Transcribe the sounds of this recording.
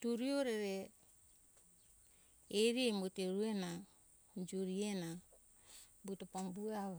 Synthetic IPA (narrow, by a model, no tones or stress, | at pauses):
tuɾioɾeɾe | eɾiemuteɾuena | d͡ʒuɾiena | butopombuawa